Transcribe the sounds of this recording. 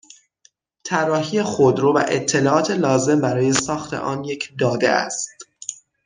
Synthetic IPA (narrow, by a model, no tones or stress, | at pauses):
t̪ʰærːɒːɦiːjexod̪ɾuːbæ̰ʔet̪ʰːe̞lɒːʔɒːt̪ʰe̞lɒːze̞mbæɾɒːje̞sɒːxt̪ʰe̞̰ʔɒːnje̞cʰd̪ɒːd̪e̞̰æ̰st̪